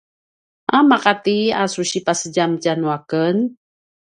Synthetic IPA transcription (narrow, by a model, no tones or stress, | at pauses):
ʔamaqat̪ia̰suɕipasəɟamt͡ʃanuakən